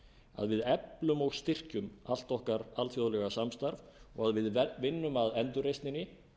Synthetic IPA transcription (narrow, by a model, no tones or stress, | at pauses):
a̰ðvɪðɛplʏmɔɣst̪ɪr̥cʏmal̥t̪ɔhkaɾalfjoðʏlɛɣasamst̪aɾvɔɣaðvɪðvɪnːʏmaðɛnt̪ʏrejst̪nɪnːɪ